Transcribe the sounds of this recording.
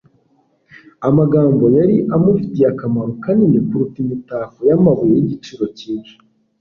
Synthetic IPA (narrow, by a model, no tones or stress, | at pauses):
amaɡaːmbo̞jaɾiʔamuvitiakamaɾokaninekuɾutimitaːfojamaβuiɟit͡ʃiɾo̞ciːnʃi̥